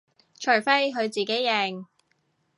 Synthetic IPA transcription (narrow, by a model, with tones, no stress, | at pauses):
t͡ʃʰɵ˨˩jfe˥jɦɵ˨˧ɥt͡siː˨˩ke˨˥jːɛ˨˧ŋ